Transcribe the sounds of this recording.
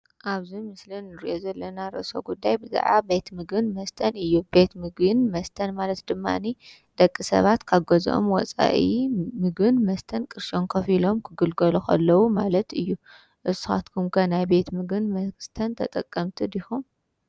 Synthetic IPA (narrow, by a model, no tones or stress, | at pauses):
ʔaβzimɨslinːɨɾiʔo̞zɐlːɐnaɾɨ̰ʔso̞̰ɡud̪ːajbɨza̰ʕabe̞t̪mɨɡɨnmɐst̪ʰɐnɨjːube̞t̪mɨɡɨnmɐst̪ʰɐnmalɐt̪d̪ɨmːa̰ni | d̪̥ɐkʼːisɐ̰βat̪kʰaɡozʔo̰mwɔ̰t͡sʼa̰ʔimɨɡɨnmɐst̪ʰɐnkʼɨɾʃoŋkʰɐfilo̞mkʰɨɡɨlɡɐluxʰɐ̰lːɐwumalɐt̪ɨjːu | ʔɨsɨxa̰t̪kʰɨmkʰanajbe̞t̪mɨɡɨnmɐst̪ʰɐnt̪ʰɐt̪ʼɐkʼːɐmt̪ʰid̪ixum